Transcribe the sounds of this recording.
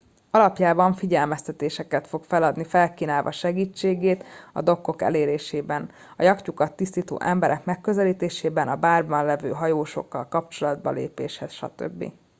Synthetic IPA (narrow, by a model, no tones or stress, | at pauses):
ɒlɒpjaːbɒɱfiɟɛlmɛst̪ɛt̪eːʃɛkɛt̪fo̞kfɛlɒd̪nifɛlkiːnaːlvɒ̰ʃɛɡiːt͡ʃːeːɡeːt̪ɒ̰d̪o̞kːo̞kɛ̰leːɾeːʃeːbɛn | ɒjɒkcukɒt̪ːist̪iːt̪o̰ːʔɛmbɛɾʔɛkmɛkːø̞zɛliːt̪eːʃeːbɛnɒbaːrbɒnlɛvøːɦɒjoːʃo̞̰kːɒ̰lkɒp̚t͡ʃo̞lɒd̪bɒ̰lḛːpḛːʃhɛsʃɒ̰t̪ø̰bːḭ